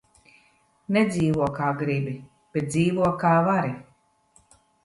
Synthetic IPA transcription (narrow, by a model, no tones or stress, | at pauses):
nɛd̪ziːvuɔkaːɡɾibi | b̥ɛt̪̚d̪ziːvuɔkaːvaɾi